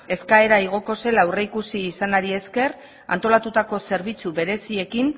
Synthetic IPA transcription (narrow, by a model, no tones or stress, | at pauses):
e̞skae̞ɾaiɣ̞o̞ko̞se̞lauwreikusiːsanaɾie̞ske̞r | a̰nt̪o̞lat̪ut̪ako̞se̞ɾβ̞it͡suβe̞ɾe̞sie̞kin